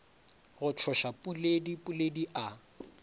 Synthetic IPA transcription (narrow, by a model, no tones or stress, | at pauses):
ɣʊt͡ʃʰɔʃapʼuledipʼʊlediʔa